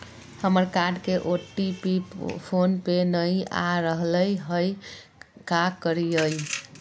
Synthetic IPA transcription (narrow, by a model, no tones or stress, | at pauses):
həməɾkaɾɖkeʔoʈːipipʰonpenəja̰ɾəɦləjɦəj | kakəɾiəj